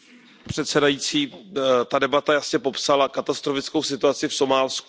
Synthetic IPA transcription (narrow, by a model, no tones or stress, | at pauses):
pr̥ɛt̪sɛdajiːt͡siːt̪adɛbat̪ajasɲɛpo̞psalakat̪ast̪ɾofɪt͡skowsɪt̪uat͡sɪfso̞maːlsk